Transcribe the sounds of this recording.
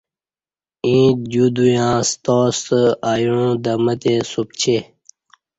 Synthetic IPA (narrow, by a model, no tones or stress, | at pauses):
ĩːd͡ʑud̪ujãːst̪oːst̪aːjuɻũd̪ɐmət̪esup̚t͡ɕʰe